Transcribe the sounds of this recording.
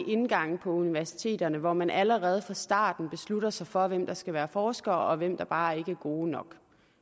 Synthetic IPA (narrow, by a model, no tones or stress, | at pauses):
ʔe̝nɡ̥ɑ̈ŋ̰̩pʰɒ̽uniʋæɐsi̥t͡sʰe̝̰ːd̥ɐnəʋɒmænʔæləʁɛːð̞̩ˠfʁɑ̈sd̥ɑ̰̈ːd̥n̩b̥e̝sluɾ̥ɐsɑ̈ɪfɒ̽ʋem̰d̥ɑ̈sɡ̥æʋæːɐfɒːsɡ̥ɐːʔɒ̽ʋem̰d̥ɑ̈b̥ɑ̈ːæɐe̝ɡ̥əæɐɡ̥o̝ːnɒ̽ɡ̥